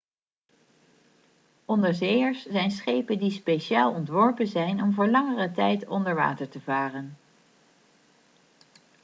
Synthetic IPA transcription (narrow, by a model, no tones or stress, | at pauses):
ʔɔndəɹzeːjəɹszɛjnsχejpəndispejʃaːlˠɔntʋɔɹpənzɛjnɔmvʊːɹlɑŋərətɛjtɔndəɹʋa̰ːtəɹtəvaːrən